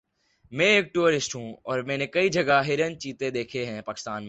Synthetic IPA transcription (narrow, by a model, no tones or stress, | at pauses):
mɛ̃ːeːk̚ʈuːɾɪsʈɦũːɔːɾmɛ̃ːnekɐid͡ʒɐɡaɦɪɾənt͡ʃiːt̪ed̪eːkʰeɦɛ̃paːkɪ̥st̪aːnme